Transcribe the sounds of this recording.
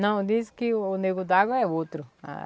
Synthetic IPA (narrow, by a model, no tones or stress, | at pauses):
nɐ̃w̃d̪iskɪːneɡud̪aɣoɛot̪ɾʊa̰